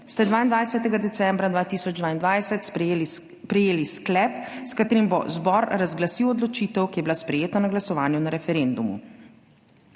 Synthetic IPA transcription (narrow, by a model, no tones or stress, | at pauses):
st̪ɛd̪ʋaːind̪ʋajsɛt̪ɛɡad̪ɛt̪sɛmbɾad̪ʋaːt̪iːsɔd͡ʒd̪ʋaːind̪ʋajsɛt̪s | pɾɛjeːlisklɛpskat̪eːɾimbozbɔɾɾazɡlasiwɔd̪lɔt͡ʃiːt̪ɛwkijɛbilaspɾɛjeːt̪anaɡlasɔʋaːnjunaɾɛfɛɾend̪umṵ